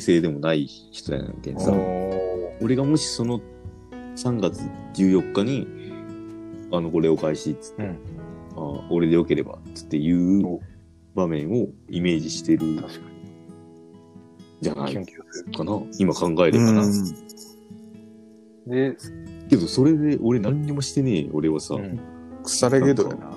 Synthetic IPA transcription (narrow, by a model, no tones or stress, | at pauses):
se̞ːd̪e̞mo̞nai | çi̥t̪o̞ja̰na̰k̪ḛ̃nsa̰ | o̞ɾe̞ɡamo̞ɕi̥so̞no̞ | sãŋɡat͡sɨd͡ʑɨːjo̞kːaɲ̟i | ano̞ko̞ɾe̞o̞kaiɕiːt͡sɨ̥t̪ːeao̞ɾe̞d̪ejo̞ke̞ɾe̞ba̰ɨ̥t̪ːe̞jɯ̟ː | bamẽ̞ɰ̃o̞ime̞ːʑiɕi̥t̪e̞ɾɯ̟a | d͡ʑana̰ikanaimakãŋɡae̞ɾeana | ke̞d̪o̞so̞ɾe̞d̪e̞ʔo̞ɾe̞nãɲ̟ːimo̞ɕi̥t̪e̞ne̞̰ːo̞ɾe̞β̞asa̰kɯ̥saɾeɡed̪oja̰na̰